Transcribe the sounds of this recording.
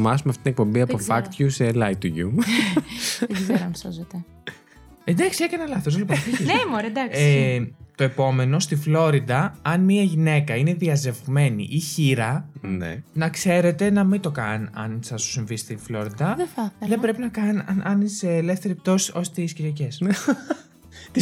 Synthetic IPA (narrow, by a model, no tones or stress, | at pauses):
mɐsumeɐft̪it̪inek̚po̞mbiɐppofɐkt̪çuselɐjt̪uʝṵ | ðeɡzeɾoɐnsɐzot̪ɐ | end̪ɐksiekɐnɐlɐθos̬olipofiçesemoɾɐd̪ɐkset̪o̞e̞po̞me̞no̞st̪iflo̞ɾid̪ɐɐnmiɐʝine̞kɐine̞ðiɐze̞vme̞nḭʔiçiɾɐnḛnɐkse̞ɾe̞t̪e̞nɐmit̪o̞kɐnɐ̰nsɐsu̥siɱvist̪iflo̞ɾid̪ɐðeθɐðebɾe̞pinɐkɐnɐʔɐniseːle̞fθe̞ɾip̚t̪o̞siʔo̞st̪isciɾʝɐces | t̪i